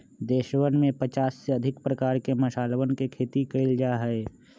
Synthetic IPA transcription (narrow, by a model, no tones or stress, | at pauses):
d̪eːʃwənmẽpət͡ʃaːsːeɐd̪ʱɪkpɾəkaːɾkemɐʃaːlwənkekʰeːt̪ikəɪld͡ʒaɦɛe